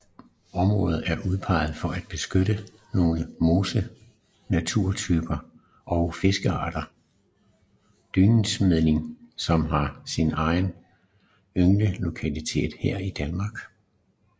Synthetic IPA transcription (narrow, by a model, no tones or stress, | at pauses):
ɒ̽mʁɔ̽ːð̩ˠæɐʔuð̞ˠpʰɑ̈ɪð̞̩ˠfɒ̽ʔæd̥̚b̥e̝sɡ̥øɾə | no̝ːləmo̝ːsə | næt͡sʰuɐ̰t͡sʰyːb̥ɐ | ʔɒ̽ʊfe̝sɡ̥əɑ̰̈ːɾ̥ɐ | d̥yːnn̩smeðˠne̝ŋsɒ̽mɦɑ̈sinɑ̈ɪn | øŋnəlo̝kʰælit͡sʰe̝̰ːd̥heɐ̰id̥ænmɑ̈ːɡ̥